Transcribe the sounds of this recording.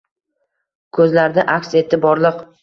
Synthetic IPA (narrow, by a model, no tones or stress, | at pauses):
kʰɵzlaɾd̪ɪʔakʲse̞t̪ʰɪbɒɾlˠɨq